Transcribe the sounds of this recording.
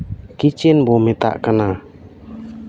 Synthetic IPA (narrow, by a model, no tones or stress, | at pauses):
kit͡ʃɛnbɔmɛt̪a̰ʔkana